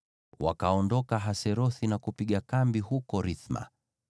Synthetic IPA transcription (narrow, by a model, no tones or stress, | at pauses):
wa̰kaɔndɔkaɦasɛɾɔθinakupiɠakambiɦukɔɾiθma̰